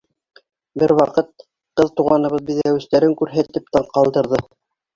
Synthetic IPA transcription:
bɘɾwɑqɤt̪̚ | qɤðt̪uʁɑnɤ̆βɤðbiðæwɘ̆st̪æɾɘŋkʉɾɦæt̪ɘp̚t̪ɑɴqɑlˠd̪ɤ̆ɾðɤ

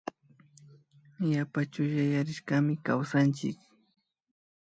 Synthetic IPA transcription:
japat͡ʃʊjajaɾɪʃkamɪkawsant͡ʃɪ̰k

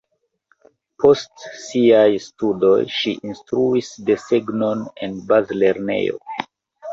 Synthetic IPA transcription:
pʰo̞stsiajstudo̞̰jʃiʔinstɾuisde̞seɡnone̞̰nbazle̞ɾne̞̰jo̞̰

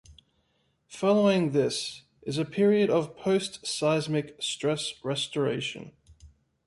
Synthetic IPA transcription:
fɒləʊɪ̃ŋðɪs | ʔɪzəpʰɪɹiəɾəv̥pʰəʊstsaɪzmɪkstɹ̥ɛsɹɛstəɹḛɪʃə̰̃n

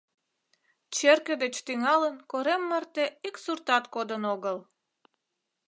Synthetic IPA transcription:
t͡ɕerkə̆d̪et͡ɕt̪yŋɑlənkoɾemːərt̪eiksurt̪ɑt̪kod̪ənoɣəl

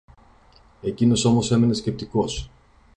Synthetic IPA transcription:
e̞cino̞so̞mo̞se̞me̞ne̞sce̞p̚t̪iko̞s

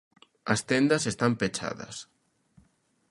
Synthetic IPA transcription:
ɐst̪end̪ɐsest̪ampet͡ʃa̰ðɐ̰s

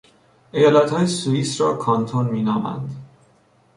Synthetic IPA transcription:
ʔejɒːlæt̪hɒːjesuiːsɾɒːkʰɒnt̪ʰonmiːnɒːmæ̰nd̪

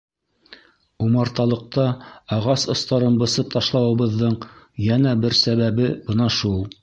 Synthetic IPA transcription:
umɑɾt̪ɑlˠɤ̆q̚t̪ɑɑʁɑsŏst̪ɑɾɤnbɤ̆sɤp̚t̪ɑʃlˠɑwɤ̆βɤ̆ðːɤɴ | jænæbɘɾsæβæβɘbɤnɑʃulˠ

